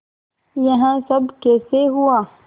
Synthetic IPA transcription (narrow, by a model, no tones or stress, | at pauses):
jɐɦãsɐbkeːseɦuaː